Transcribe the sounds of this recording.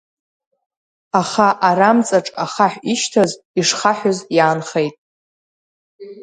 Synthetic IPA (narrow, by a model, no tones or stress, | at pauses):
aχaʔaɾamt͡sʼaʈ͡ʂʼaχaħʷᶣiʃtʰaz | iʂχaħʷᶣʊzjaːnχejtʼ